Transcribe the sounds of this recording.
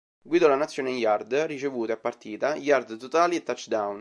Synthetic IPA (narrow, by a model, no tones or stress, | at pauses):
ɡwid̪olanat̪sjoːnejard̪rit͡ʃevuːt̪eapːart̪iːt̪ajard̪t̪ot̪aːliet̪ːat͡ʃːd̪awn